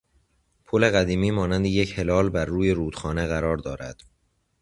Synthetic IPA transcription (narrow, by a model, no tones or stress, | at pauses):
pʰoːle̞ɣæd̪iːmiːmɒːnænd̪ejeche̞lɒːlbæɾːuːje̞ɾuːd̪̥xɒːne̞ɣæɾɒːɾd̪ɒːɾæ̰d̪̥